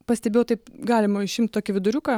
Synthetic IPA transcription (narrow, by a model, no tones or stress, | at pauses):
pɐsʲt̪ʲɛbeːjɛʊt̪ɐɪpɡɑːlʲɪmɐɪʃɪmʲt̪̚ʲt̪oːkʲɪʋʲɪd̪ʊɾʲʊkɐ